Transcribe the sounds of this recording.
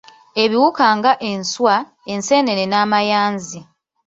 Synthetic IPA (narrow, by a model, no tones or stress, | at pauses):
e̞βiwukaːŋɡaʔe̞nswa | ense̞ːne̞nenaːmajaːnzi